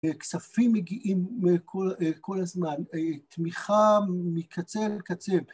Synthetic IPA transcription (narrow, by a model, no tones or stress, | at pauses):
eksafimːeɡiʔimkʰokʰo̞lazmant̪miχamikʰat͡selkat͡sel